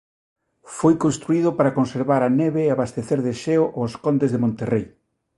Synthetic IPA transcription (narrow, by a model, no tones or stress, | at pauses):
fojkonst̪ɾuiðʊpaɾakonseɾβaɾaneβeːaβast̪eθeɾðeʃeoʔoskond̪ezðemõnt̪erej